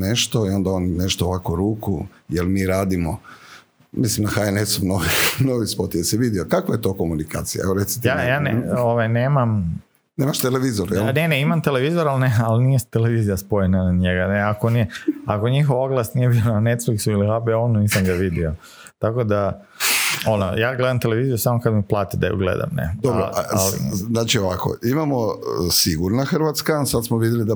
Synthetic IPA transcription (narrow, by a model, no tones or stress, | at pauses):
neʃt̪oio̞nd̪aonneʃt̪ooʋakoɾuːku | jelˠmiːɾaːd̪imo | mislimnaxaenesumnoʋinoʋispot̪ijesiʋid̪iokakʋajet̪okomunika̰ːt̪sija̰eʋoɾet̪si̥t̪jajaːneoʋajneːmam | neːmaʃt̪eleʋizoɾjelneneimamt̪e̞leʋizoɾalnealnijest̪ele̞ʋiːzijaspo̞jenaɲeɡaneakonijeako̞ɲixoʋoɡlˠasnije̞bionane̞t̪fliksuilixabɛonuniːsamɡaʋid̪io̞ | t̪ako̞d̪a | ono̰jaːɡle̞d̪amt̪e̞leʋiːzijusamo̞kad̪miplˠaːt̪id̪ajṵɡlḛd̪a̰mnḛd̪obɾoaalḭznaːt͡ʃioʋako̰imamosiɡuɾnaxr̩ʋat̪skasad̪smoʋid̪jelid̪a